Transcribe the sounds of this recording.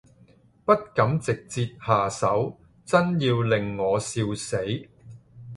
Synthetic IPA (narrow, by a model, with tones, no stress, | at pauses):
pɐ˥t̚kɐ˨˥mt͡sɪ˨k̚t͡siː˧t̚haː˨˩sɐ˨˥w | t͡sɐ˥njiː˧wlɪ˨ŋːɔː˨˧siː˧wse˨˥j